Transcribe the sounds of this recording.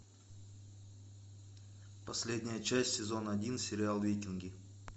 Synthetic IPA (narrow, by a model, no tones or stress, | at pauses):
pɐsʲlʲedʲnʲɪjət͡ɕæsʲtʲsʲɪzo̞nəɐdʲinsʲɪɾʲɪalˠvʲetʲɪnɡʲɪ